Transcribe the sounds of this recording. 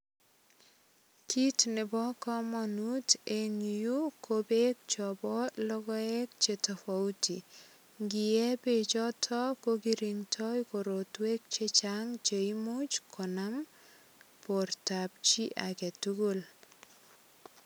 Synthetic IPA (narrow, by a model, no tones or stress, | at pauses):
kitnɪbɔkɔmanuteɲujukobek̚t͡ʃɔbɔlɔɡɔɛk̚t͡ʃetafauti | ŋɡijɛpet͡ʃɔtʰɔkoɡiɾiŋtʰɔjkoɾotwek̚t͡ʃet͡ʃaŋt͡ʃeimot͡ʃkʰɔnam | portap̚t͡ʃiʔakɛtuɡul